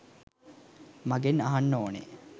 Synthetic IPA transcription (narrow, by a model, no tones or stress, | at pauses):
maɡenaɦanːoːnḛ